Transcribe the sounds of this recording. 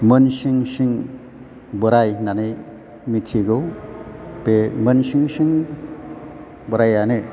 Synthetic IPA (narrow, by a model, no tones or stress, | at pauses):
mənsiŋsiŋ | bɔɾajnanɯj | mitʰiɡɯw | pemənsiŋsiŋ | bɔɾajane